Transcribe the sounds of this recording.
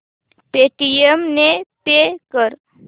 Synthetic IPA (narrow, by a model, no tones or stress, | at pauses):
peʈijemnepekəɾ